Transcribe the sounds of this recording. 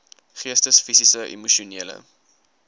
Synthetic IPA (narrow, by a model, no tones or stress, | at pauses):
χiəstəsfisisəʔḭmuʃiuniələ̰